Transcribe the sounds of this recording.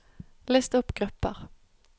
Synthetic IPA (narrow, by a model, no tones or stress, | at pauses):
leːst̪ʊpɡ̥ʁʉpə̰ʁ